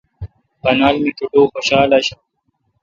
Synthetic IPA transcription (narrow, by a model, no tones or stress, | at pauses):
pɐnaːlmit̪ʰuʈoːxoɕaːlaɕa